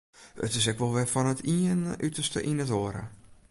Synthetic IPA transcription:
ə̰tɪs̬ɛkʋɔlˠʋɛfɔnətʰiənytəstə̰ʔinətoəɾə̰

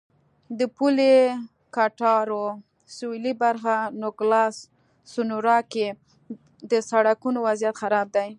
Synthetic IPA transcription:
d̪əpule | kaʈɑɾo | sulibaɾxanʊɡlɑsː | ʊnuɾɑke | d̪əsaɽakunowazijat̪xaɾɑb̚d̪aj

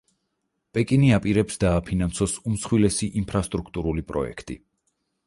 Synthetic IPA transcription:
pʼɛkʼiniapʼiɾɛpsd̪aːpʰinansɔsumsχwilɛsiʔimpʰɾast̪ʼɾukʰt̪ʼuɾulipʼɾɔ̰ɛ̰kʰt̪ʼḭ

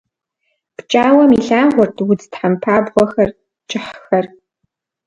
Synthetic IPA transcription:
pt͡ʃʼaːwɐmiɬaːʁʷɔrtʰwʊd͡ztħampʰaːbʁʷɔxɐr | t͡ʃʼɪħxɐr

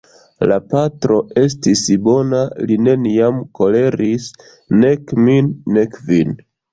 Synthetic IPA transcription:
lapatɾo̞e̞s̬tisbo̞naline̞niamko̞le̞ɾis | ne̞kminːekvin

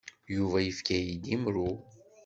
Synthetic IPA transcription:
juvaifkʲæjid̪imɾu

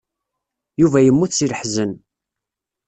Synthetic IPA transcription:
juvæjəmːuθsiləħzən

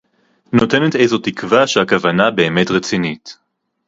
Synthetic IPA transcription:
no̞tenete̞jzo̞tikvaʃeakavanabe̞ːme̞tʁet͡sinit

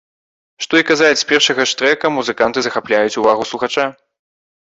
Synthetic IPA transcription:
ʂt̪ɔikazalʲt͡sʲsʲpʲɛrʂɐɣɐʂt̪ɾɛkɐmuzɨkant̪ɨzɐxaplʲajut͡sʲuvaɣuslˠuxat͡ʂa

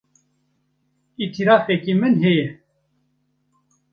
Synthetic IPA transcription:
it̪ʰiɾɑːfekimɨnɦejɛ

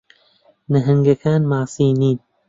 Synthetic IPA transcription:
nɐɦɨŋɡɐkʰaːnmaːsiːniːn

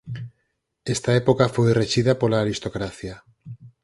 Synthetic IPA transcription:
est̪aepokafojreʃiðapolaːɾist̪okɾaθja

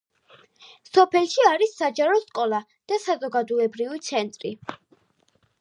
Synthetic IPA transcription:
sɔpʰɛlˠʃiaɾisːad͡ʒaɾɔskʼɔlˠa | d̪̥asazɔɡad̪uɛbɾivit̪sʰɛnt̪ʼɾi

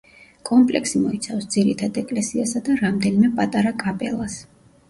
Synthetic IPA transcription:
kʼɔmpʼlɛ̰kʰsimɔit̪sʰafsd̪z̥iɾit̪ʰad̪ɛkʼlɛsiasad̪aɾamd̪ɛnimɛpʼat̪ʼaɾakʼapʼɛ̰lˠas

